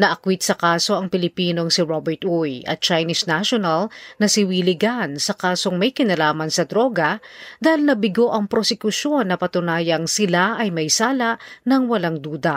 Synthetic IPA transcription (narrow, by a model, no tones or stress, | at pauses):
nɐʔɐkwit̪̚sɐkaːso̞ʔɐŋpɪlɪpiːno̞ŋsɪɹobɛɹt̪ujʔɐ̰t̪̚t͡ʃajnisnaʃonɐlnɐsɪwiːlɪɡansɐkaːso̞ŋmɐjkɪnɐlaːmɐnsɐd̪ɾo̞ːɡɐd̪aːhɪlnɐbɪɡo̞ʔɐŋpɾosɛkʊso̞nːɐpɐt̪ʊnaːjɐŋsɪlaʔɐjmɐjsaːlaʔnɐŋwɐlaŋd̪uːd̪ɐʔ